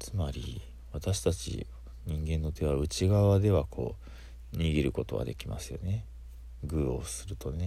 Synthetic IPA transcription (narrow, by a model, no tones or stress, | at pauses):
t͡sɨmaɾʲi | βat̪aɕi̥t̪at͡ɕḭ | ɲ̟ĩŋɡẽ̞nːo̞t̪e̞β̞aɯ̟t͡ɕiɡaβad̪e̞βakʰo̞̰ː | ɲ̟iɡʲiɾɯ̟ko̞t̪o̞ɡa̰d̪e̞kʲima̰sɨjo̞ne̞ | ɡɯ̟ːo̞sɨɾɯ̟t̪o̞ne̞